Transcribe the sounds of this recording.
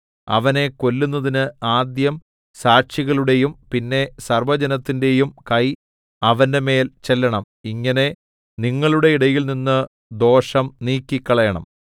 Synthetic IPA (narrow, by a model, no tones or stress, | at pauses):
ɐ̰ʋɐne̞ko̞lːunːɐðinɨaːd̪jɐm | saːɕiɣɐɭuɽe̞jumpinːe̞sɐrʋɐd͡ʑɐnɐt̪ːinde̞jumkɐj | ɐʋɐnde̞me̞ːlt͡ɕelːɐɳɐm | iŋːɐne̞ | niŋːɐɭuɽe̞iɽɐjilninːɨ | d̪o̞ːʂɐmniːkʲːikʲːɐɭɐjɐɳɐ̰m